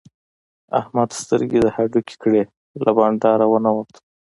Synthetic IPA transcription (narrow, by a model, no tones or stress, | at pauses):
a̰hmad̪st̪əɾɡed̪əhaɖuke̥kɽe | lʔabɑɳɖɑɾawənawət̪